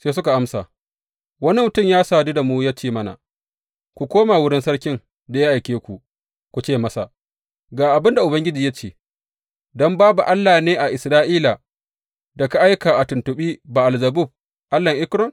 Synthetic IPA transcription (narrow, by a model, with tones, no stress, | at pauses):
seː˦sʊ˦ka˨ʔa˦msa̰ː˨ | wɐ˦ni˦mʊ˨tʊ˦mjaː˦saː˦˨di˦da˨muː˦ja˦t͡ʃeː˦˨mɐ˦na̰˨ | kʷu˨kʷoː˦maː˨wʊ˦ɽɪ˦nsɐ˦ɽkʲɪ˦ŋ | da˨ja˦ʔa˨jkʲeː˦kʷu˨ | kʷu˨t͡ʃeː˦mɐ˦sa̰˨ | ɡaː˨ʔa˨bɪ˦nda˨ʔʊ˨bɐ˦ŋɡʲɪ˦d͡ʒiː˨ja˦t͡ʃeː˨ | dɔ˦mbaː˦bu˨ʔa˦lːaː˨neː˦ʔa˨ʔɪ˨sɾaː˦ʔiː˦la˨ | dɐ˨ka˨ʔa˦jka˨ʔa˨tʊ˨ntʊ˨ɓiː˦baː˨ʔa˨lzɐ˨bʊ˦˨b̚ | ʔa˦lːɐ˨ŋʔɪ˦kɾɔ˦n